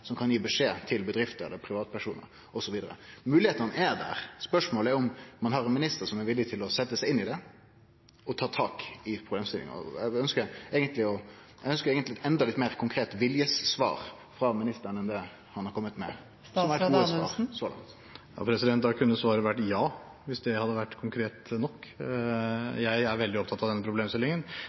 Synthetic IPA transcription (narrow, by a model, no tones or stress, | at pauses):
sɔmkʰɑnjiːbəʂeːt̪ʰɪlbəd̪ɾɪft̪əɾɛ̰lːəɾpʰɾɪʋɑːt̪pʰæʂuːnə̰ɾ | ɔsɔʋiːd̪əɾə̰mʉːlɪheːt̪ənɛd̪æ̰ːɾspœʂmoːləɛɾɔmmɑnɦɑɾɛnmɪnɪst̪əɾsɔmɛɾʋɪlːɪt̪ʰɪlɔsɛt̪ːəsæɪɪnːɪd̪ɛ | ɔt̪ʰɑːt̪ʰɑːkɪpʰɾʊbleːmst̪ɪlɪ̰ŋ̰ɔ̰ɛɡœnskəɾɛːɡənt̪lɪɔʔɛɡœnskəɾɛːɡənt̪lɪɛt̪ɛnd̪ɑlɪt̪ːmeːɾkʰʊŋkʰɾeːt̪ʋɪljəsːʋɑ̰ːɾ | fɾɑmɪnɪst̪əɾənɛnd̪ɛ | hɑnhɑɾkɔmːət̪mɛ̰ | ɔmɛɾɛɡəɑ̰ːɾsoːlɑ̰ŋt̪ | ɑ̰pʰɾɛsɪd̪ɛnt̪d̪ɑkʰʉnːəsʋɑːɾəʋæʈːjɑː | ʋɪsd̪ɛhɑd̪ːəʋæʈːkʰʊŋkʰɾeːt̪nɔkː | jæɪæɾʋɛld̪ɪɔp̚t̪ʰɑt̪ɑʋd̪ɛnːəpʰɾʊbleːmst̪ɪlɪŋən